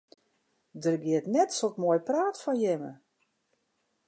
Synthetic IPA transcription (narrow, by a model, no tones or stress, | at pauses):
dərɡjɪətnɛtsotmojpraːtfɔnjɪmə̰